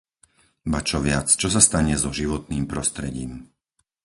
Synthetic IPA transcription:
bat͡ʃɔʋɪat͡st͡ʃɔsast̪aɲɛzɔʒiʋɔt̪niːmpɾɔst̪ɾɛɟiːm

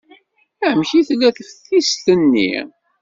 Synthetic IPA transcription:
æmçiθlːæθəfθist̪ənːḭ

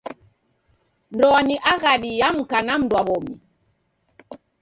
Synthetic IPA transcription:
ndɔaniʔaɣaɗijam̩kanam̩dwaβɔmi

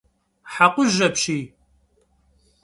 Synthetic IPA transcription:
ħaqʷʊʒɐpɕiː

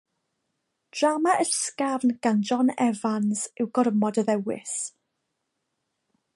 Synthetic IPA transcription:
d̥ramaʔəskavnɡ̥and͡ʒɔnɛvansɪwɡɔɾəmɔdəðɛwɪ̰s

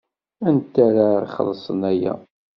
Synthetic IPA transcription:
ænt̪ːæɾaiχə̰lːsˤənæjæ̰

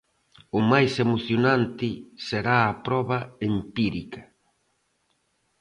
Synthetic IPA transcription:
ʊmajsemoθjonãnt̪ɪseɾaːpɾɔβɐempiɾikɐ

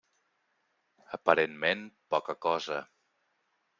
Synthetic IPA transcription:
əpəɾenmenpɔkəkɔzə

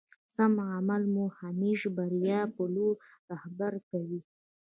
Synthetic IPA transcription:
samamalmuhamiʒbaɾjɑpəloɾɾahbaɾkawi

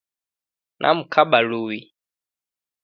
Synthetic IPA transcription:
nʔa̰mukʰaɓaluwi

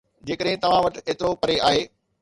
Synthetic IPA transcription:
d͡ʑeːkəɗɦɪ̃t̪ɐʋ̤ãʋɐʈeːt̪ɪɾopɐɾeaːɦeː

